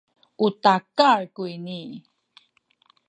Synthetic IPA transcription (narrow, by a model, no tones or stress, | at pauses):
utakaɹkuini